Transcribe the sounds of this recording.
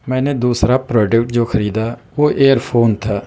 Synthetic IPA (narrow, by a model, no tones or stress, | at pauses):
mɛ̃ːneːd̪uːsɾaːpɾɔːɖəkʈ̚d͡ʒoːkʰəɾiːd̪aː | oːʔeːəɾpʰoːnt̪ʰaː